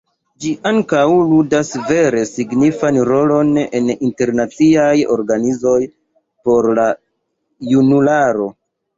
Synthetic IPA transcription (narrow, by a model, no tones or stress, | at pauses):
d͡ʒiʔaŋkawludasve̞ɾe̞siɡnifanɾo̞lo̞nḛninte̞ɾnat͡siajo̞̰ɾɡanizo̞j | po̞ɾla | junulaɾo̞